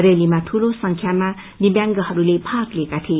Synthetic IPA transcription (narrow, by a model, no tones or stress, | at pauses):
ɾelimat̪ʰulosʌŋkʰjama | nibjaŋɡʌhʌɾulebʱaklekat̪ʰi